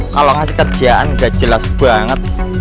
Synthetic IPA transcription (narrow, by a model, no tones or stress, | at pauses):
kalɔŋasikərd̥ʒ̥iaʔa̰nɡad̥ʒ̥ə̤lasb̥aŋət̪̚